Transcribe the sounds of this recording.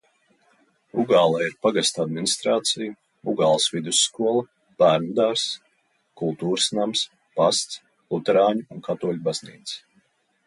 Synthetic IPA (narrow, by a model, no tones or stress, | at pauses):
uɡaːlˠaiɾpaɡast̪ad̪minist̪ɾaːt̪siju | uɡaːlˠsvid̪usːkuɔlˠɐ | b̥æːɾnud̪aɾs | kulˠt̪uːɾɨsnams | past̪s | lˠut̪ɛɾaːɲuunkʰat̪uɔlʲubaz̥niːt̪s